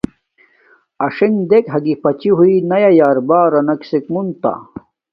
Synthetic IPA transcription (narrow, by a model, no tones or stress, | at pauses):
ɐʂiŋd̪ekɦɐɡipɐt͡ɕiɦuinɐjajaːɾbaːɾɐnɐksekmunt̪a̰